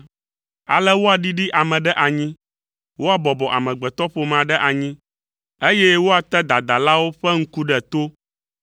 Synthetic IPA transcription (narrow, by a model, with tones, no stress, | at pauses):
a̰˨lɛ˦wo˦a˨ɖi˦ɖi˦ʔa˨mɛ̃˨ɖɛ˦ʔa˨ɲĩ˦ | wo˦a˨bɔ˨bɔ˨ʔa̰˨mɛ̃˨ɡ͡bɛ˨t̪ɔ˦ɸo˨mã˨ɖɛ˦ʔa˨ɲĩ˦ | e˦jɛ˦wo˦a˨t̪ɛ˦d̪a˨d̪a˨la˦wo˦ɸɛ˦ŋ̩˦ku˦ɖɛ˨t̪o˦